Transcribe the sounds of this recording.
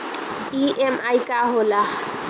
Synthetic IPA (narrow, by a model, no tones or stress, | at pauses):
iʔemajkaɦola